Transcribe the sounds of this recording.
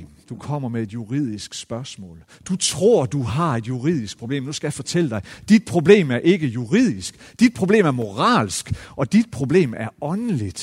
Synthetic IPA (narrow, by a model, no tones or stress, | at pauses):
d̥ukʰɒ̽m̰ɐmee̝d̥juʁið̰ˠisɡ̥sb̥ɶɐsmɔ̰̽ːl | d̥ut͡sʰʁo̝ɐ̰d̥uɦɑ̈e̝d̥juʁiðˠisɡ̥̚pʰʁo̝ble̝̰ːmnusɡ̥æjafɒ̽t͡sʰel̰əd̥ɑ̈ɪd̥id̥̚pʰʁo̝b̥le̝̰ːmæɐʔe̝ɡ̥əjuʁið̰ˠisɡ̥d̥id̥̚pʰʁob̥le̝̰ːmæɐmo̝ʁɑ̰̈ːlsɡ̥ɒ̽d̥id̥̚pʰʁo̝b̥le̝̰ːmæɐɒ̽nəlid̥